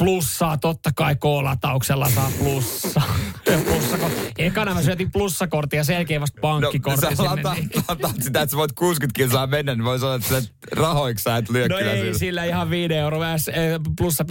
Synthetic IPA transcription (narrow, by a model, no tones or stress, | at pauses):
plusːɑːt̪ot̪ːɑkɑikoːlɑ̰t̪ːɑukselːɑsɑːplusːɑːplusːɑkoehkɑnɑmæsyøt̪iplusːɑkort̪ːˑijɑselkeːʋɑst̪̚pɑŋnoːikortseislɑːɑlɑt̪ɑːt̪sit̪æet̪seʋoit̪̚kuːskyt̪kisɑːmenːænniʋoisɑnːɑet̪st̪ | rɑhoiksɑit̪lyøknoyæeisilːæihɑʋʋiːneeuroːʋæːsplusːɑp